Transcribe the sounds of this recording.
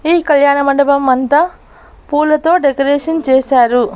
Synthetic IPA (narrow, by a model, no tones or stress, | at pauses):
iːkɐljaːɳɐmɐɳɖɐbɐmːɐnt̪ɐ | puːlɐt̪o̞ːɖekɐɾeːʂɐnt͡ʃeːsaːɾu